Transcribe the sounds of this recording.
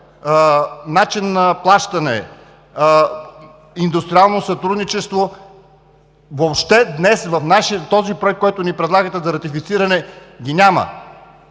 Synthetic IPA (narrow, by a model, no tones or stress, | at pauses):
nat͡ʃinːɐplˠaʃt̪ɐnɛ̰ | ind̪ust̪ɾialˠnosɐt̪ɾud̪nit͡ʃɛst̪vo | vopʃt̪ɛd̪nɛsvɐfnaʃit̪ɔzipɾoɛk̪̚kɔjt̪ʊnipɾɛd̪lˠaɡət̪ɛzɐɾɐt̪ifit̪siɾɐnɛ | ɡʲinʲamɐ̰